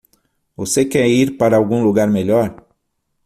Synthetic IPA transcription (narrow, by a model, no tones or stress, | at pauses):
vosekɛiɾpaɾɐawɡũluɡaɾmeʎɔɾ